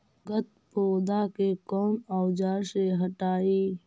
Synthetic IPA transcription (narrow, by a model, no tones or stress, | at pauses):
ɡət̪̚ | poːd̪akekɔːnaːwd͡ʒaːɾseɦəʈaːiː